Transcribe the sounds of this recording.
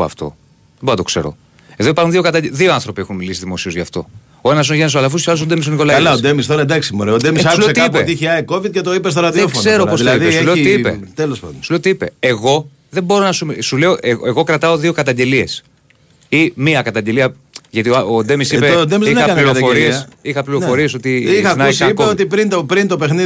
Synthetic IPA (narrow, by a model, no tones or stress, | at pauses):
ɐ̰ft̪o̞̰ | ðemboɾnɐt̪kse̞̰ɾo̞̰ | e̞ðo̞ipɐɾxunðio̞kɐt̪ɐðioɐnθɾo̞pie̞xunmilisiðimo̞sio̞zʝɐft̪o̞̰ | oenɐs̬inoʝenesoɐlɐf̬uos̬uɐlosod̪emis̬oniko̞lɐɐlɐod̪emis̬t̪oɾɐd̪ɐksimoɾeod̪emisɐsueoset̪iikpet̪içiɐeko̞vid̪̚cet̪oipes̬t̪oɾɐðiefkse̞ɾopoɐiðesuulet̪iipḛt̪elospɐ̰d̪sule̞ot̪iipe̞eɣo̞ | ðe̞mbo̞ɾo̞nɐsumsule̞o̞ʔeeɣo̞kɾɐt̪ɐo̞ðio̞kɐt̪ɐɲɟe̞lie̞s | imiɐkɐt̪ɐɲɟe̞liɐ | ʝɐt̪iood̪e̞misipeod̪emiziɐɐiɾofoɾiesixɐpliɾo̞fo̞ɾieso̞t̪iixɐnɐisipkeot̪ipɾint̪opɾint̪o̞pexni